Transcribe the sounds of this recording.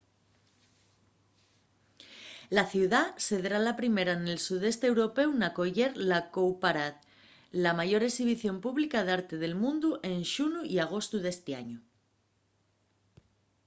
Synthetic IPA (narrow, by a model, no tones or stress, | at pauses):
laθjuwðase̞ðɾalapɾime̞ɾane̞lsuð̞e̞st̪eewɾo̞pe̞wnako̞ʝe̞ɾlakowpaɾat̪ | lamaʝo̞ɾe̞ksiβ̞iθjo̞mpuβlikaðaɾt̪e̞ðe̞lmũnd̪uʔe̞nʃunuiaɣ̞o̞st̪uðe̞st̪ea̰ɲu